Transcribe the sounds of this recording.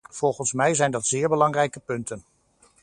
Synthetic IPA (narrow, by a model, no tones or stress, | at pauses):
v̥ɔlˠχənsmɛjzɛjndɑtz̥ɪːɹbəlɑŋrɛjkəpɵntən